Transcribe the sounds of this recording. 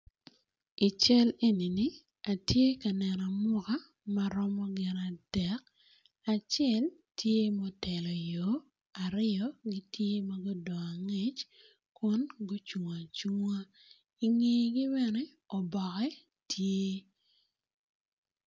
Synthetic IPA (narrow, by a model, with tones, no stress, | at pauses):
i˨t͡ʃɛ˦le˦ni˨ni˦ | a˨tje˦ka˨nɛ˨nɔ˨mʊ˦ka˦ | ma˦ɾɔ˦mɔ˦ɡɪ˨na˨d̥ɛ˨˦k | a˨t͡ʃɛ˨l | tʰje˦mɔ˦tɛ˨lɔ˨jo˨ | a˨ɾɪ˦ɔ˦ɡi˦tje˦mɐ˦ɡʊ˦dɔ˨a˨ŋe˦t͡ʃ | kwʊ˦nɡo˦t͡ʃu˨ŋwa˨t͡ʃu˦ŋwa˦ | i˨ŋe˦˨ɡi˦bɛ˦nɛ˦ | ɔ˨bɔ˨kɛ˦ | tʰje˦